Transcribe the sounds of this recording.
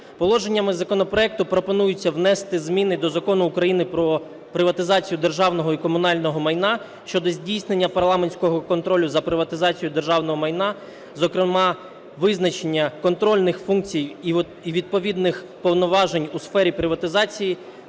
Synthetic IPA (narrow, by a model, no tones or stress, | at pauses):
pɔlˠɔʒe̞nʲːɐmɪzɐkɔnɔpɾɔɛk̚t̪ʊpɾɔpɔnujʊt͡sʲːɐwnɛst̪ɪzmʲinɪd̪ɔzɐkɔnʊːkɾɐjinɪpɾɔ | pɾɪʋɐt̪ɪzɑt͡sʲijʊd̪erʒɑwnɔɦɔikɔmʊnɑlʲnɔɦɔmɐjnɑ | ʃt͡ʃɔd̪ɔzʲdʲijsne̞nʲːɐpɐrlˠɑme̞nʲsʲkɔɦɔkɔnt̪ɾɔlʲːʊzɐpɾɪʋɐt̪ɪzɑt͡sʲijʊd̪erʒɑwnɔɦɔmɐjnɑ | zɔkɾɪmɑ | ʋɪznɐt͡ʃenʲːɐkɔnt̪ɾɔlʲnɪxfunk̚t͡sʲij | iʋʲid̪̚pɔʋʲid̪nɪx | pɔwnɔʋɑʒenʲusfɛɾʲipɾɪʋɐt̪ɪzɑt͡sʲiji